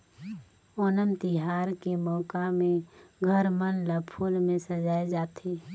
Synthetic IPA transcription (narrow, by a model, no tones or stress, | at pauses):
ɔːnəmt̪ɪɦaːɾkemɔːkamẽɡʱəɾmənləpʰuːlmẽsəd͡ʒaːjd͡ʒaːt̪ʰeː